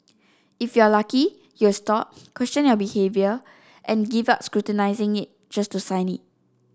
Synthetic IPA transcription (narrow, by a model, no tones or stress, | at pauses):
ifjualaki | justɔp̚kʰwɛst͡ʃə̃njɔbihevjə | ʔɛ̃nɡivap̚skɹutənaɪzɪ̃ŋit̚ | d͡ʒastusãj̃nḭt̚